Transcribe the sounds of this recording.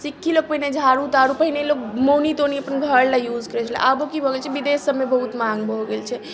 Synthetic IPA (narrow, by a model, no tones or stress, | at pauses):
sikʰːilok̚pəɦined͡ʒʱaɾut̪aɾupəɦinelokmonit̪oniəpənɡʱəɾlajud͡ʒkəɾɛt͡ʃʰlɛ̰ʔabokibʱoɡelt͡ʃʰɛbid̪esəbmebəɦut̪maŋɡbʱoɡelt͡ʃʰɛ